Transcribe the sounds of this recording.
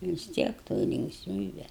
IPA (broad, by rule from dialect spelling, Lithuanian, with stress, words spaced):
ʋʲɪs ˈtʲiɛk toːj lʲɪŋkˈsʲmʲiːbʲɛ